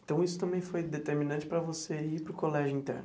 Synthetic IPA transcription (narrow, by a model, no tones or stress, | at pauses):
ẽt̪ɐ̃w̃isʊt̪ɐ̃bẽj̃fojd̪et̪eɾminɐ̃nt͡ʃɪ̥pɾɐvoseipɾʊkolɛʒʊĩt̪ɛ̰ɾn